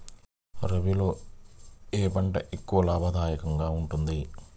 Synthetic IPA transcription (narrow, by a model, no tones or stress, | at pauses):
ɾɐbilo̞ː | eːpɐɳʈɐʔekːuʋɐlaːbʱɐd̪ʱaːjɐkɐŋɡaːuɳʈund̪i